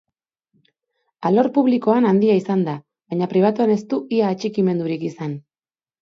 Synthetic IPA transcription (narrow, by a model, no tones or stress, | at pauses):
alo̞ɾpuβliko̞anand̪iaisand̪a | βajɲapɾiβ̞at̪uane̞st̪uʔiaːt͡ʃikime̞nd̪uɾikisan